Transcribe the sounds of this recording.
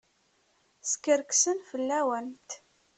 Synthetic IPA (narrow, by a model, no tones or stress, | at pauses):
skəɾksənfəlːæwænt̪